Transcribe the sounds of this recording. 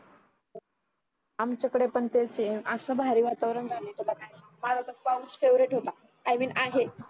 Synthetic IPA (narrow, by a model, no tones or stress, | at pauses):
amt͡ɕakəɽepəɳt̪et͡seəsəbʱaɾiːʋat̪aʋɾəɳd͡zʱanet̪elakajsamad͡zat̪əfamsfeʋɾeʈɦot̪a | ajmiːnʔaɦe